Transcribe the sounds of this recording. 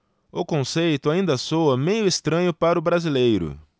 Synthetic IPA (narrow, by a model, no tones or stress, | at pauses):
ʊkõsejt̪ʊaĩnd̪ɐsowɐmẽjʊest̪ɾɐ̃ɲʊpaɾʊbɾazilejɾʊ̰